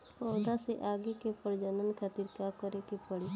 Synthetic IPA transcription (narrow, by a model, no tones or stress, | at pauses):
pɔːd̪aseʔaːɡekepəɾd͡ʒənənkʰat̪iɾkaːkɔɾekepəɽi